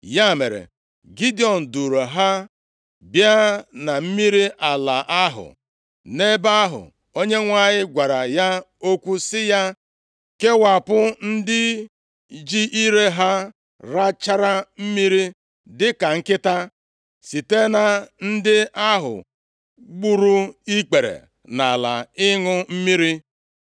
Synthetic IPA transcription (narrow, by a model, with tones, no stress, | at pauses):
ja˦me˨ɾḛ˨ | ɡi˦di˦˨ɔ˨n̩˨du˨ɾo˨ɦa˦ | bja˦na˨m̩˦mi˦ɾi˦ʔa˨la̰˨ʔa˦ɦʊ̰˨ | ne˦ba˦ɦʊ̰˨ | o˦ɲe˦ŋʷa˦˨ɲɪ˦ɡʷa˨ɾa˨ja˦o˦kʷu˦sɪ˦ja˦ | ke˦wa˨pʊ˦n̩˦dɪ˦ | d͡ʒi˦ʔi˦ɾe˦ɦa˦ | ɾa˦t͡ʃa˦ɾa˦m̩˦mi˦ɾi˦ | dɪ˦ka˨ŋ̩˦kɪ˦ta˦ | si˨te˦na˨n̩˦dɪ˦ʔa˦ɦʊ̰˨ | ɡ͡bu˦ɾu˦i˦k͡pe˨ɾḛ˨ | na˨la̰˨ɪ˦ŋʊ˦m̩˦mi˦ɾi˦